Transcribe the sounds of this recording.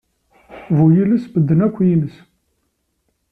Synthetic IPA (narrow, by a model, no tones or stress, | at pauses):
vujiləsbəd̪ːənækʷːjinəs